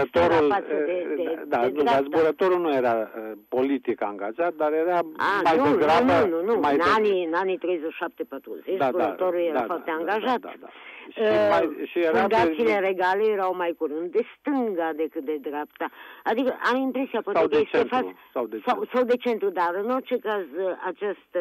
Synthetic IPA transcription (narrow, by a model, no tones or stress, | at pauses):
t̪oɾulpasd̪ed̪ed̪ab̪aazb̪uɾat̪oɾunujeɾapolit̪ikaaŋɡaʒat̪̚d̪aɾeɾaanmaj̪ueɡɾanununumajnaninanit̪ɾejzəʃap̚t̪epat̪ɾṵzet͡ʃ̪zbuɾat̪oɾuljeɾafɔrt̪eaŋɡaʒat̪ʃimajʃieɾuand̪aileɾeɡalejeɾawmajkuɾɨnt̪̚d̪est̪ɨŋɡad̪ekɨt̪̚d̪ed̪ɾapt̪aad̪ikəʔamimpɾesiapwasek̪eest͡ʃefasad̪sawsawd̪et͡ʃent̪ɾud̪aɾɨnot͡ʃekazat͡ʃast̪